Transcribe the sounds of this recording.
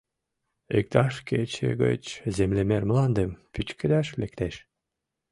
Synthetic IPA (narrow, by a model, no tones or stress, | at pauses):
ek̚t̪ɑʃket͡ʃʰḛɡø̰t͡ʃzemlemeɾmɯlˠɑnd̪ɯmpyt͡ʃked̪æʃlek̚t̪eʃ